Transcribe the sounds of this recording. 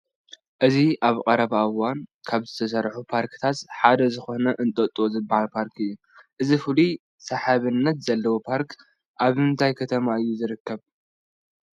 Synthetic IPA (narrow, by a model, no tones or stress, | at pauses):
ʔɨziʔaβkʼɐɾɐβaʔwankʰaβzɨt̪ʰɐs̬ɐɾħupʰaɾkt̪ʰat̪ħad̪ɐzɨxo̞nɐʔɨnt̪ʼɐt̪ʼozɨbːahalpʰaɾkʰɨjːu | ʔɨzifɨlu | sɐħaβɨnːɐt̪z̥ɐlːɐwopʰaɾk | ʔaβɨnt̪ʰajkʰɐt̪ʰɐmaɨjːuzɨɾɨkːɐβ